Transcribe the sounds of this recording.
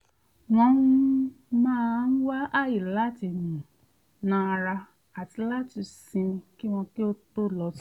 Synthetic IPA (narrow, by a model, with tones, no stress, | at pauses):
w̃ɔ̃˧ũ˦ | mãː˦˧n̩˦wa˦ʔa˦˨ji˨la˦ti˨nĩ˨ | nã˧˦˧ɾa˧ | a˨ti˨˧˦la˦ti˧sĩ˧ki˦w̃ɔ̃˧ki˦o˦to˦˨lɔ˧˦t